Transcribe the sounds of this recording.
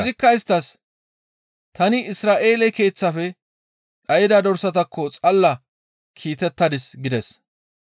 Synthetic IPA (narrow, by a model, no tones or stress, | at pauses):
ɪzɪkːɐɪst̪ːɐs | t̪ɐnɪɪsɾaːʔe̞ːlɛke̞ːt͡sːɐfɛ | ᶑɐjɪd̪ad̪ɔɾsɐt̪ɐkʰːɔt͡sʼɐlːɐ | kʰiːt̪ɛt̪ːɐd̪ɪsɡɪd̪ɛs